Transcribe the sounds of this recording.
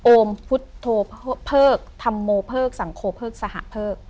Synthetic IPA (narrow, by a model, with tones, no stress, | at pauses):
ʔoː˧mpʰu˦˥t̪ʰːoː˧pːpʰɤː˥˩k̚t̪ʰa˧mːoː˧pʰɤː˥˩k̚sa˩˦ŋkʰoː˧pʰɤː˥˩k̚sa˧ha̰˨˧˨ʔpʰɤː˥˩k̚